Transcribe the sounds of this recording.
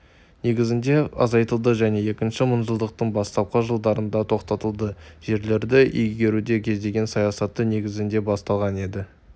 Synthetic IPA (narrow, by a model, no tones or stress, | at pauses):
ne̞ɡʲɪzɪnd̪e̞ɑ̰zɑjt̪əlˠd̪əʒæne̞je̞kʲɪnʃɪmʊnʒəlˠd̪əq̚t̪əɴbɑst̪ɑp̚qɑʒəlˠd̪ɑɾənd̪ɑt̪ʰo̞qt̪ɑt̪əlˠd̪əʒ̥e̞ɾle̞ɾd̪ɪʔɵjɡʲe̞ɾud̪e̞kʲʰe̞zd̪e̞ɡʲe̞nsɑjɑsɑt̪ːəne̞ɡʲɪzɪnd̪e̞bɑst̪ɑlˠʁɑne̞d̪ɪ